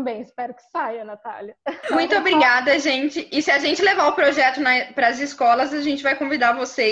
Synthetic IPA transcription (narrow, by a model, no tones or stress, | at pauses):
bẽj̃ɪspɛɾʊkɪ̥sajɐnat̪a̰ljɐmũj̃t̪ʊobɾiɡad̪ɐʒẽnt͡ʃɪɪsɪaʒẽnt͡ʃɪlevaɾʊpɾoʒɛt̪ʊnɐpɾɐzɪskɔlɐzaʒẽnt͡ʃɪvajkõvid̪aɾɐvose